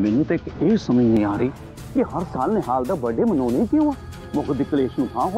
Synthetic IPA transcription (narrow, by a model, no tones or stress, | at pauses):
mɛnũːt̪eɪkeːsəməd͡ʒnĩːaːɾəiː | kɪhəɾsaːlnẽːɦaːld̪aːbəɖeːmənoːneikɪõːaː | mʊɡd̪ɪkleːʃnũːt̪ʰãːɦoː